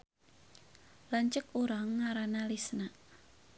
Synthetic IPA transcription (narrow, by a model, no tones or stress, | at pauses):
laɲt͡ʃəkuɾaŋːaɾanalisnaʔ